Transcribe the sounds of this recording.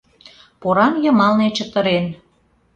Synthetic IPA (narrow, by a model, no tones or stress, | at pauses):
poɾɑnjə̆mɑlnet͡ɕə̆t̪ə̆ɾen